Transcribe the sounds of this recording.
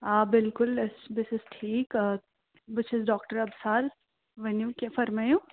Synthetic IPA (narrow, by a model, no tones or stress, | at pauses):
aːbɪlkʊlɪsbɪsɪsʈʰiːk | bɪt͡ʃɪsɖɔːkʈəɾɐbsaːɾ | ʋenjuːkefɐɾmaju